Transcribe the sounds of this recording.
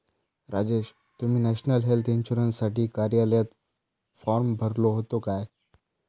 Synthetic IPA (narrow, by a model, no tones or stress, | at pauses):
ɾad͡ʑeːɕ | t̪um̤iːnæɕnəlɦelt̪inɕuɾənssaʈiːkaɾjaljat̪ | fɔɾmbʱəɾloɦot̪okaj